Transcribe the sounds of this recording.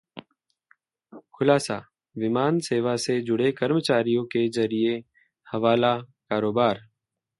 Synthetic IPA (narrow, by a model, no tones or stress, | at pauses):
xʊlaːsa | ʋɪmaːnseːʋased͡ʒʊɽekəɾmət͡ʃaːɾijõkezɐɾie | hɐʋaːlakaːɾoːbaːɾ